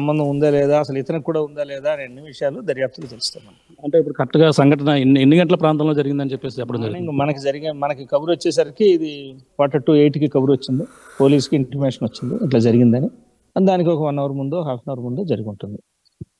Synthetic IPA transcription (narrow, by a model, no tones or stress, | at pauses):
sɐmbɐnd̪ɐmund̪aːlɛːd̪aːɐsɐlɛt̪ɐnɐkːuːɽaːund̪aːlɛːd̪aːɐniɐnːiʋiʂɐjaːlud̪ɐɾjaːp̚t̪ɐlut̪elust̪aːɾmɐn | ɐɳʈe̞ːipːuɽukɐʈːɐɡaːsɐŋɡʱɐʈɐnɐenenːiɡɐɳʈ̬ɐlɐpɾaːnt̪ɐmlo̞ːd͡ʒɐɾiɡind̪ɐnit͡ʃɛpːeːs̬ɛɐpːɐɽɐmd͡ʒɐɾkɐmɐnɐkid͡ʒɐɾiɡimɐnɐkikɐbuɾɐt͡ʃːɛːs̬aːɾɐkiːd̪ikaːʈɐʈːueːjʈikikɐbuɾuʋɐt͡ʃːind̪i | po̞ːliːskiiɳʈɐɾmeːʂɐnʋɐt͡ʃːind̪ḭiʈ̬laːd͡ʒɐɾiɡind̪ɐni | ɐd̪aːnik̬iɔkɐʋɐnːɐʋɐɾmund̪oːɦaːlpɐnɐʋɐɾmund̪oːd͡ʒɐɾiɡuɳʈund̪i